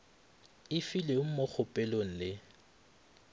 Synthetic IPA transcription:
ɪfileʊŋ̩mok͡xʰʊpʼɛlon̩lɪ

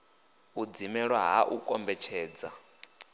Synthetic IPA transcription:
ud͡zimɛɺwaɦa̰ʔukʼɔmbɛt͡ʃʰɛːd͡za

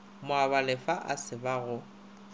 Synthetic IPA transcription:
mʊaβalɪfaʔa̰sɪbaɣʊ

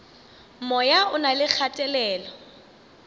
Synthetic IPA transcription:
mɔjaʊnalɪk͡xʰatʼɛlɛːlɔ

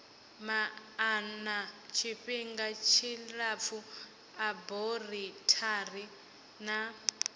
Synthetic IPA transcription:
maː | nat͡ʃʰiɸiŋɡat͡ʃʰilap̪fu | aboritʰari | na

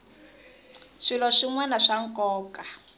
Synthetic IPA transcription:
ʂilɔʂiŋwanaʂaŋ̩kɔːka

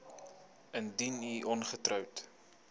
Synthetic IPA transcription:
əndiniʔɔnχətrœwt

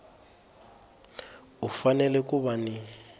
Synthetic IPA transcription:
ufanɛlɛk̬uβani

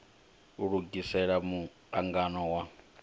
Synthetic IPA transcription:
uɺuɡisɛɺamu | aŋɡanɔwa

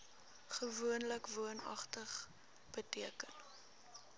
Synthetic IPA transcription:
χəvuənləkvuənɐ̰χtəχ | b̥ətiəkən

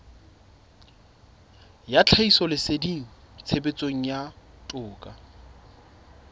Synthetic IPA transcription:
jat͡ɬʰaisɔlɪsediŋ̩ | t͡sʰebet͡sʼoŋ̩jatʼʊːkʼa

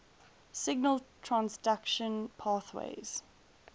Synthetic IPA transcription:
sɪɡnəlˠtʰɹ̥ãnsdakʃə̃npʰɑːˑθwḛɪz̥

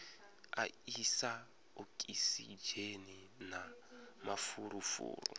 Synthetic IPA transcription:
a̰isa | okʼisid͡ʒeni | namafuɾufṵːɾṵ

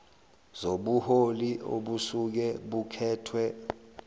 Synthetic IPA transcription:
zoɓuholio̰ɓusuk̬ɛɓukʰɛːtʰwɛ

